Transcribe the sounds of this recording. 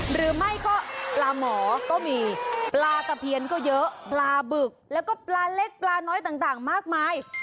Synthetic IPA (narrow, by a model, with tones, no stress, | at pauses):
ɾɯː˩˦ma˥˩jkɔː˥˩plaː˧mɔː˩˦kɔː˥˩miː˧plaː˧ka˧˩pʰi˧ənkɔː˥˩jɤ˦˥ʔplaː˧bɯ˨˩k̚lɛː˦˥wkɔː˥˩plaː˧le˦˥k̚plaː˧nɔː˦˥jt̪aː˨˩ŋt̪aː˨˩ŋmaː˥˩k̚maː˧j